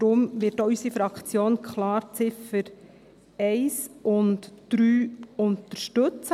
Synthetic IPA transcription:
dɾʊmʋɪːtːysifɾɑkt͡sjoːnkʰχlɑːɾt͡sɪfəɾ | ɛɪsʔʊntd̥ɾyːʊntəɾʃtɵt͡s

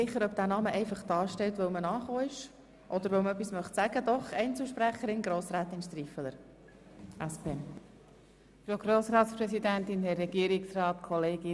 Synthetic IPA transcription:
ɪχːəɾœb̚d̥̪æːnɑːməʔɛɪfɑχd̪̥ɑːʃtɛlt̪ʋəwmənɑːχoːɪʃ | ʔɔd̪əɾʋəwməœp̬ːismœχtsæɡ̥əd̪ɔχɛɪnt͡suʃpræχəɾɪnɡɾoːsræːt̪ɪnʃt̪rifələɾ | ʔæspʰeːɛn | fɾoɡ̥ɾoːsɾɑːt̪spɾɛsid̪ænt̪ɪnhɛːɛɡiːɾɪksrɑːt̪kʰɔleːɡɪ

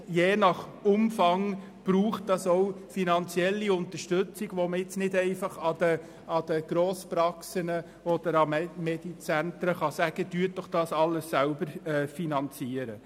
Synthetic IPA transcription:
jeːnɑχʊmfɑŋ | b̥ɾuːχt̚d̥ɑsɔʊfinɑnt͡siɛlːiʊnt̪əʃtɵt͡siɡ̥ʋɔməɪt͡snɪdɛɪfɑχɑd̪ə | ɑd̥̪əɡ̥ɾoːspɾɑksənə | ɔd̥̪əɾɑmmɛd̥it͡sænt̪ɾəχɑsæɡ̥ədyːət̚d̥ɔχd̥ɑːsɑlːəsːælbəɾɛːfinɑnt͡siːəɾə

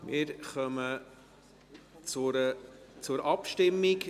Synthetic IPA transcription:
mɪɾχœmə | t͡sʊɾət͡sʊɾʔɑpʃtɪmːik

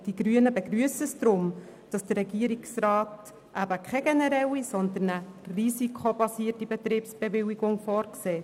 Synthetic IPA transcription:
d̥iɡ̥ɾyənəbeɡɾyəsəsd̪̥ɾʊm | d̥ɑsd̥əɾɛɡiəɾiksɾɑːt | ʔæbəkʰɛɡ̥ɛnɛɾɛwisɔnd̪ənərisikʰχob̥ɑsiətibɛt̪ɾiːpsb̥eʋɪwiɡʊŋfɔːɾkseː

